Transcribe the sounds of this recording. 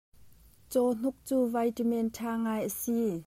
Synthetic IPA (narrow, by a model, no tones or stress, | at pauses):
t͡sɔːn̥uk̚t͡suːvajtimɛntʰaːŋaːjʔəsi